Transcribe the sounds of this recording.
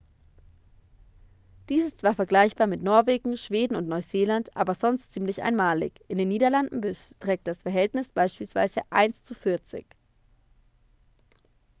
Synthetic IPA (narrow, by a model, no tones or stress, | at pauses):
d̥iːsɪstt͡sv̥aːɐfɛɐɡlaɪçb̥aːɐmɪtnɔɐveːɡŋ̩ʃv̥eːdn̩ʊntnɔʏzeːlantʔa̰ːbɐzɔnstt͡siːmlɪçʔa̰ɪnmaːlɪ̰çʔɪndeːnːiːdɐlandn̩bətʁ̥ɛːk̚t̚d̥asfɛɐɦɛltnɪsb̥aɪʃpiːlsv̥a̰ɪzəʔa̰ɪnst͡sufɪɐt͡sɪ̰ç